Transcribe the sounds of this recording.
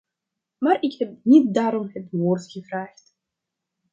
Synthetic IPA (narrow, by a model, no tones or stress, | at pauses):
maːrɪkhɛp̚nit̚daːɾɔmɦətʋoːrtxəvraːxt